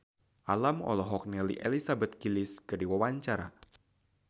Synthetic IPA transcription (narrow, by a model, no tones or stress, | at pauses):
ʔalamɔ̰lɔɦɔk̚nɛlḭʔelisabɛt̪̚kilɪskɨrdiwawaɲt͡ʃaɾa̰